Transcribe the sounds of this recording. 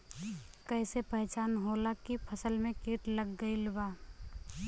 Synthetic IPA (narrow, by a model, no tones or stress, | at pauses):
kɛːsepəɦt͡ʃaːnɦoːlakipʰəsəlmẽkeːʈləɡːəilbaː